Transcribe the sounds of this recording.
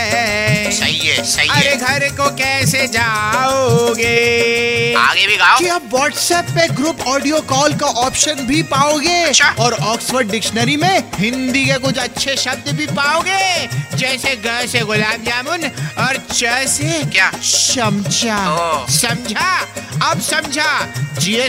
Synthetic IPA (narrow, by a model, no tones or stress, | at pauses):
sɐɦiesɐɦiɐɾeɡʱɐɾkokɛːsed͡ʒaːoɡeː | a̰ːɡebʱiɡaːoiɐbʋɔːʈsɛːpːeɡɾupɔːɖijokɔːlkaʔɔːpʃənbʱipaːoɡeːɐt͡ʃːʃʰaɔːɾɔːksʋəɾɖɖɪkʃnəɾimẽɦɪ̃nd̪ikekʊd͡ʒɐtːʃʰeʃɐb̚d̪bʱipaːoːɡeːd͡ʒɛːseɡɐɾseɣʊlaːmd͡ʒaːmʊnɔːɾt͡ʃɛːsekjaʃɐmt͡ʃasɐmd͡ʒʱaɐbsɐ̃md͡ʒʱaːd͡ʒie